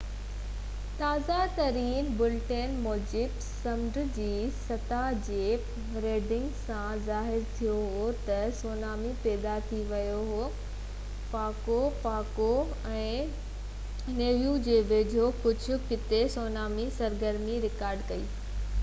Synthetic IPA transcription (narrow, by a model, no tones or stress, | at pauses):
t̪aːzat̪ɐɾiːnbʊlʈenmoːd͡ʑɪb | sɐmɖd͡ʑiːsɐt̪ad͡ʑeː | ɾeːɖɪ̃ŋɡsãzaːɦɪɾt̪ʰijoɦot̪ɐsoːnaːmipɛːd̪at̪ʰiʋɐjoɦoː | paːkopaːko | ɛ̃ː | neːʋjũd͡ʑeːbeːd͡ʑʱokʊd͡ʑʱʊ̆kɪt̪esoːnaːmisɐɾɡəɾmiɾɪkaːɾɖkɐḭː